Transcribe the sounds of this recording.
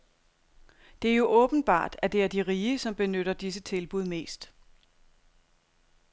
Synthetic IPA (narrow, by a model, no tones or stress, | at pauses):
d̥e̝æɐjo̝ʔɔ̽ːb̥n̩b̥ɑ̰̈ːd̥æd̥e̝æɐdiʁiːəsɒ̽mb̥e̝nøɾ̥ɐd̥is̬ət͡sʰe̝lb̥uð̞̰ˠme̝̰ːsd̥